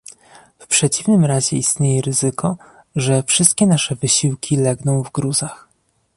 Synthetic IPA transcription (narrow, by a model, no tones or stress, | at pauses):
fpʂɛt͡ɕivnɘmɾaʑɛist̪ɲejɛɾɘzɘkɔ | ʐɛfʂɘst̪̚kʲɛnaʂɛvɘɕiwkʲʰilɛɡnɔ̃w̃vɡɾuzax